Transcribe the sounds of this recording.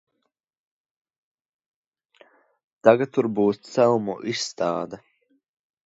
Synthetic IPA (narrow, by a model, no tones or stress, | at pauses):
t̪aɡat̪ːuɾbuːst̪sɛlˠmuʔisːt̪aːd̪a